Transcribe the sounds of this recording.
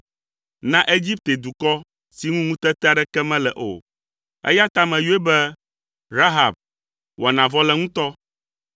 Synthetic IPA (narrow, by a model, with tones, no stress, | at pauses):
nã˦ʔe˦d͡ʑi˦p̚t̪e˨d̪u˨kɔ˦ | si˨ŋũ˦ŋũ˦t̪ɛ˦t̪ɛ˦a˦ɖɛ˦kɛ˦mɛ̃˦lɛ˨ʔo̰˨ | ḛ˦ja˦t̪a˦mɛ̃˨jo˦e˦bɛ˦ | ɾa˦ɦa˨b̚ | wɔ˨nã˨vɔ˦lɛ˦ŋũ˦t̪ɔ˦